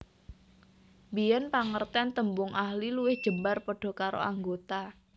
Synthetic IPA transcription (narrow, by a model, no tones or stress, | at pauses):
bijɛnpaŋərt̪ɛnt̪əmbʊŋʔahliluwɪhd̥ʒ̥əmbarpəɖ̥ɔ̤kaɾo̰aŋɡot̪a